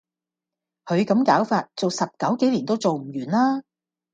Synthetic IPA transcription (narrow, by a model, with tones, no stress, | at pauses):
hʰɵ˨˧ɥkɐ˨˥mkaː˨˥wfaː˧t̚t͡so˨wsɐ˨p̚kɐ˨˥wke˨˥jliː˨˩nt̪o˥wt͡so˨wm̩˨˩jyː˨˩nlaː˥